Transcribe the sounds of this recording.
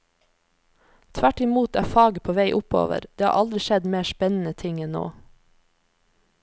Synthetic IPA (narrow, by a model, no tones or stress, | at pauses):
t̪ʰʋæʈɪmuːt̪æ̰ːfɑːɡəpʰoːʋeɪʔʊpo̰ːʋə̰ɾd̪̥eːhɑ̰ːʔɑld̪ɾɪʃɛd̪meːʃpɛnn̩ət̪ʰɪŋɛnno̰ː